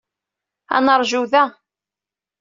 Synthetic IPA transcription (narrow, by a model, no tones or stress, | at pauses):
æ̰nəɾˤʒuðæ